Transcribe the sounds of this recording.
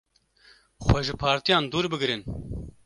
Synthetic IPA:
xwɛʒɨpʰɑːɾt̪ijɑːnd̪uːɾbɨɡɾɨn

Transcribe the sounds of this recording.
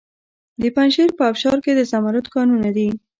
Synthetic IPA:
d̪əpanʃiɾpəafʃɑɾked̪əsamaɾʊt̪kɑnunad̪i

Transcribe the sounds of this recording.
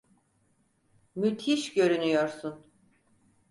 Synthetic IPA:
myt̪ʰiʃɟø̞ɾynyjoɾsun

